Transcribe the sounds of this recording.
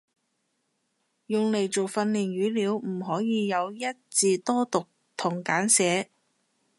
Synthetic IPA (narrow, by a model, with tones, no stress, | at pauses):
jʊ˨ŋle˨˩jt͡so˨wfɐ˧nliː˨˩nɥyː˨˥liː˨˧wm̩˨˩ɦɔː˨˥jiː˨˧jɐ˨˧wjɐ˥t̚t͡siː˨t̪ɔː˥t̪ʊ˨k̚ | t̪ʰʊ˨˩ŋkaː˨˥nsɛː˨˥